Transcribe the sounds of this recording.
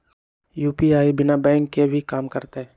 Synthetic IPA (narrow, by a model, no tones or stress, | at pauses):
juːpiaːibɪnabɛ̃ːŋkːebʱikaːmkəɾt̪eɦɛː